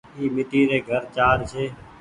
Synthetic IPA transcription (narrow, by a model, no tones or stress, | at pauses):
iːmɪʈiːɾeːɡʱəɾt͡ʃaːɾt͡ʃʰeː